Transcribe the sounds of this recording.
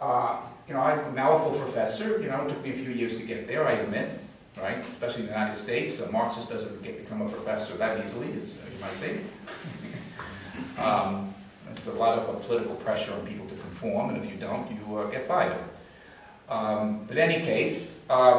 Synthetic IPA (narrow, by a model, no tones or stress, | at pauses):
ʌjɨnoʊaɪnalˠəfl̩ˠpʰɹ̥ɨfɛsə˞jɨñoʊətʰʊk̚miɨfjʉjɪɹz̥tʰɨɡɛt̪̚ðə˞aɪɨd̚mɪt̚ | ɹaɪtɨspɛʃl̩ˠĩɨn̩ɨjʉɨnaɪɾɨd̥steɪtsomɑɹksɨsd̥ʌzɨ̃nɡ̥ɛt̚b̥ɨkʰʌ̃məpʰɹ̥ɨfɛsə˞ðɨɾizl̩ˠiɪzʌɨmaɪt̚θɪ̃ | ɪ̰tsəlɔɾʌvəpʰəlɪɾɨkl̩ˠpʰɹ̥ɛʃə˞ə̃npʰipl̩ˠtʰɨkʰɱfɔɹmɨ̃nɨfjɨdõʊ̃ntɨɡɛtfaɪɾ̰ˠ | b̥ʌɾɛñikʰeɪs